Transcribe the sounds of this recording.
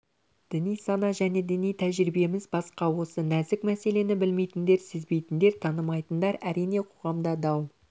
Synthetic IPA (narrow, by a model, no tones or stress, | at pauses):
d̪̥ɪnijsɑnɑʒæne̞d̪ɪnijt̪ʰæʒɾibe̞mɪzbɑsqɑwo̞sənæzɪkmæse̞le̞nɪbɪlme̞jt̪ɪnd̪e̞ɾsɪzbe̞jt̪ɪnd̪e̞ɾt̪ʰɑnəmɑjt̪ənd̪ɑɾæɾijne̞qʰo̞ʁɑmd̪ɑd̪ɑw